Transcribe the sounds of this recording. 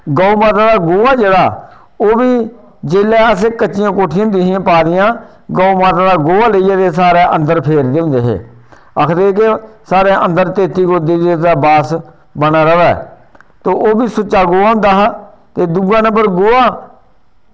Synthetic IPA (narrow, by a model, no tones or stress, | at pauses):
ɡaːuːmaːt̪aːd̪aːɡoːaːd͡ʒeːɽaː | oːbiː | d͡ʒeːlɛːəsekət͡ʃːɪjãːkoːʈʰɪjãnd̪ɪːɦãːpaːd̪ɪjãː | ɡaːumaːt̪aːd̪aːɡoːaːləijaːt̪eːsaːɾeːʔə̃nd̪əɾpʰeːɾd̪eːɦʊ̃nd̪eːɦḛː | əkʰd̪eːk̬esaːɾeːʔə̃nd̪əɾt̪eːt̪iːkoːd̪iːd̪et̪aːbaːs | bənaːɾəʋɛ̰ː | t̪oːʔoːbiːsʊt͡ʃːaːɡoːaːɦʊ̃nd̪aːɦaː | t̪eːd̪uɡãːnəbəɾɡoːaː